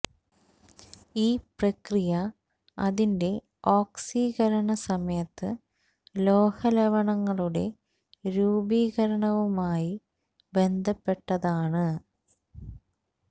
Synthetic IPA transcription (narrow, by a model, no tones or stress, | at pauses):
iːprɐkrijɐ | ɐ̰ðinde̞ | oːksiːɣɐɾɐɳɐsɐmɐjɐt̪ːɨ | lo̞ːhɐleʋɐɳɐŋːɐɭuɽe̞ | ɾuːbiːɣɐɾɐɳɐʋumaːji | be̞nd̪ʱɐpːe̞ʈːɐðaːɳɨ